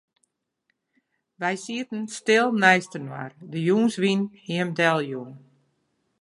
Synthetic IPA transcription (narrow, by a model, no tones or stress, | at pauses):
ʋɛjsiətn̩stɪlˠnɛjstənwa̰rdəjuːnsʋinhiəmdɛlˠjuːn